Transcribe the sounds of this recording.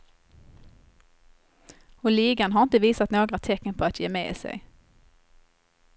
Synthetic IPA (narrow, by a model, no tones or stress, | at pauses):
ɔliːɡanɦaʁɪnt̪əviːsat̪noːɡʁat̪ʰɛkːənpʰɔat̪jeːmḛːḭːsɛ̰ɡ